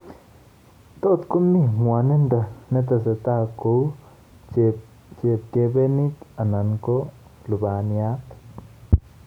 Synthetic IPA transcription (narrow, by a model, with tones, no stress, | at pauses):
t̪o˦˧t̪ku˦mi˦mwa˧ne˦nd̪a˧ne˦t̪̬a˧se˧t̪a˦˨ko˧w | t͡ʃe˧ | t͡ʃe˧p̚ke˧be˦ni˦ka˨na˨ŋko˦ | lu˨ba˨nja˦t̪